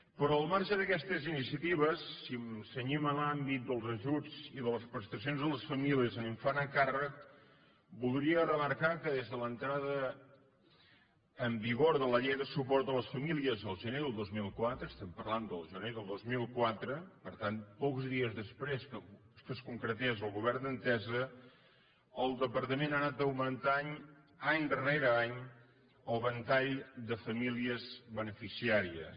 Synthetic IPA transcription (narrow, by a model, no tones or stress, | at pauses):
pɾɔəlˠmaɾʒəðəkɛst̪əzinisiət̪iβ̞əsːimsəɲiməlambit̪̚d̪əlˠzəʒud͡ziðələspɾəst̪ɾəsijonzðələsfəmiliəzəniɱfanəkarək | bulˠd̪ɾiərəməɾkakəðezðələnt̪ɾaðə | mbiɣoɾðələʎejðəsupɔrt̪d̪ələsfəmiliəzəlˠʒənejðəlˠd̪ozmilˠkwat̪ɾəːst̪ɛmpə̰ɾland̪əlˠʒəneðəlˠd̪ozmilˠkwat̪ɾəpəɾt̪anpɔkzðiəzðəspɾes | skəskuŋkɾət̪ɛzəlˠɣuβɛrnd̪ənt̪ɛzə | əlˠd̪əpəɾt̪əmenanat̪̚əwmənt̪aɲ | aɲd̪əreɾəaɲ | əlˠβənt̪aʎd̪əfəmiliəzβənəfisiaɾiə̰s